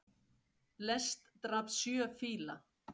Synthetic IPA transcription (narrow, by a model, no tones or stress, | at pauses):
lɛst̪ːɾapsjœːfiːla